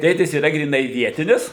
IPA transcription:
ˈtʲeːtʲɪs iːˈrɐ ɡrʲiːˈnɐɪ ˈʋʲiɛtʲɪnʲɪs

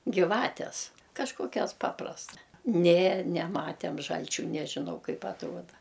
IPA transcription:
ɡʲɪˈʋɑːtʲɛs kɐʃˈkoːkʲɛs ˈpɑːprɐstɐ nʲeː nʲɛˈmɑːtʲɛm ˈʒɐlʲt͡ʃʲuː ˈnʲæːʒʲɪnɐʊ ˈkɐɪp ɐtˈruɔdɐ

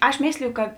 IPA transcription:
ˈɐʃ ˈmʲeːsʲlʲɪjʊ kɐt

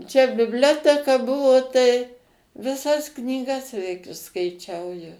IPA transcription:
t͡ʃʲɛ bʲɪbʲˈlʲoːtʲɛkɐ ˈbʊʋoː tɐɪ ʋʲɪˈsɐs knʲiːˈɡɐs ʋʲɛɪk ɪʃskɐɪˈt͡ʃʲɛʊ jɛʊ

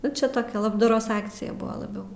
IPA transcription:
nʊ ˈt͡ʃʲɛ ˈtoːkʲɛ lˠɐbdɐˈroːs ˈɑːkt͡sʲɪjɛ ˈbʊʋɐ lˠɐˈbʲɛʊ

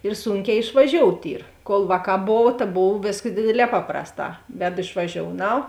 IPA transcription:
ɪr ˈsuːŋʲˌkʲɛː ɪʃʋɐˈʒʲoːʊtʲ ˈiːr koːlˠ ˈʋɑːˌkɑː ˈboːw tɐ ˈboːw ˈʋʲeːskɐs ˈdʲeːdʲeːˌlʲɛː ˈpɑːprɐsˌtɑː ˈʋʲæːdʊ ɪʃʋɐˈʒʲoːʊnɐʊ

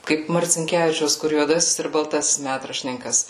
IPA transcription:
ˈkɐɪp mɐrʲt͡sʲɪŋʲˈkʲæːʋʲɪt͡ʃʲɛʊs kʊr juɔˈdɑːsʲɪs ɪr bɐlˠˈtɑːsʲɪs ˈmʲætrɐʃʲtʲɪnʲɪŋkɐs

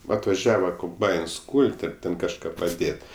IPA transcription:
ʋɐ ɐtʋɐˈʒʲæːʋɐ koːmˈbɐɪns ˈkuːlʲtʲ ɐr ˈtʲɛn kɐʃˈkɑː pɐˈdʲeːtʲ

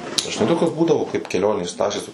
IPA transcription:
ʒʲɪˈnɐɪ ˈtoːkʲoːs ˈbuːdɐʋoː kɐɪp kʲɛˈlʲoːnʲeːs ˈtɑːʃʲeːs

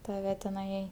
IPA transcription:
tɐˈʋʲɛ tʲɛˈnɐɪ

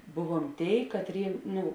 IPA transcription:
ˈbʊˌʋuɔm ˈtʲeːɪ kɐtʲˈrʲeːɪ ˈnʊ

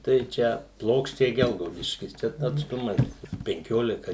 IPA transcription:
tɐɪ ˈt͡ʃʲɛ ˈplˠoːkʃʲt͡ʃʲɛɪ ˈɡʲɛlˠɡɐʊdʲɪʃʲkʲɪs ˈt͡ʃʲɛ ɐtsˈtʊmɐs pʲɛŋʲˈkʲoːlʲɪkɐ

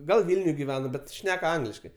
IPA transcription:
ˈɡɐlˠ ˈʋʲɪlʲnʲʊj ɡʲɪˈʋʲæːnɐ ˈbʲɛt ˈʃʲnʲɛk ˈɐŋɡlʲɪʃkɐɪ

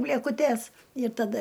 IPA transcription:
bʲlʲeːkʊˈtʲɛs ɪr tɐˈdɐ

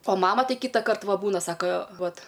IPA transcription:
oː ˈmɑːmɐ ˈtɐɪ ˈkʲiːtɐkɐrt ˈʋɐ ˈbuːnɐ ˈsɑːkɐ ˈʋɐt

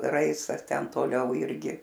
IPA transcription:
ˈrɐɪstɐs ˈtʲɛn toːˈlʲɛʊ ˈɪrʲɡʲɪ

